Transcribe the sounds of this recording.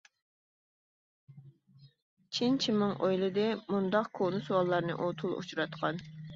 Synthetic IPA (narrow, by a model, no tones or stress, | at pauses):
t͡ʃʰint͡ʃʰimɨŋʔojlˠɨd̪ɛmund̪ɑqkʰonɨsuwɑlˠːɑɾnɨ̰ʔot̪ʰulˠo̰t͡ʃʰuɾɑt̪qʰɑn